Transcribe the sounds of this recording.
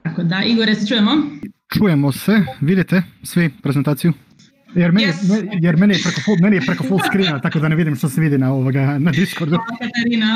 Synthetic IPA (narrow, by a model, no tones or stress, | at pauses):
akod̪aʔiɡoɾeset͡ʃujemot͡ʃuːje̞mo̞se̞ʋid̪it̪esʋipɾe̞zent̪aːt̪siju | jeɾmenijemejeɾmenijepɾekofolmenijepɾeko̞folˠskɾiːnat̪akod̪aneʋid̪imʃt̪oseʋid̪inaoʋoɡanad̪iskoɾd̪ukat̪aɾina